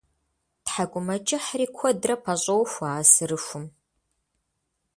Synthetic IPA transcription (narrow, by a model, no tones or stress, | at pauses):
tħaɡʷʼʊmɐt͡ʃʼɪħriːkʷʰɔdrɐpʰɐɕʼɐwxʷaːsɨɾɨʃʷʊm